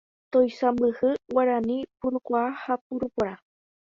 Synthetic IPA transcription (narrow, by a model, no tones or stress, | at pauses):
t̪ojsambɨhɨwaɾanĩpuɾukʷaahap̚uɾupoɾa